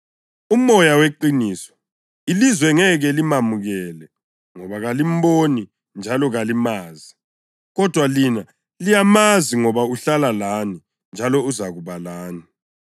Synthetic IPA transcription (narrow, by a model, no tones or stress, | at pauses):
umɔjaweǃiniːsɔ̥ | ilizwɛŋɛɣɛlimamuɣɛlɛ | ŋɔβaɣalim̩boni | nd͡ʒʱalɔɣalimaːzi | ɣɔd̥ʱwalina | lijamaziŋɔβauɬalalani | nd͡ʒʱalɔuzaɣuβalaːni